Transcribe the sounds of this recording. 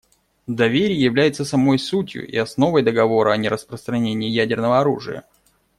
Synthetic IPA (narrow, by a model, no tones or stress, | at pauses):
d̪ɐvʲeɾʲɪjjɪvlʲæjɪt̪səsɐmo̞jsutʲjʊ̰ʔḭɐsno̞vəjd̪əɡɐvo̞ɾəɐnʲɪɾəspɾəst̪ɾɐnʲenʲɪːjædʲɪrnəvəɐɾṵʐɨ̰jə̰